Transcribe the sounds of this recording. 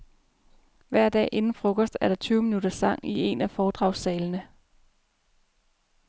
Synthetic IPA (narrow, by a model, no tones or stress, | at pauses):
ʋæɐ̰d̥ɛ̰ːʔe̝nn̩fʁɔ̽kʰɒsd̥æɐɾ̥ɑ̈t͡sʰyːʊminuɾ̥ɐsɑ̈ŋ̰ie̝̰næfɒːd̥ʁɑ̈ʊsɛːlnə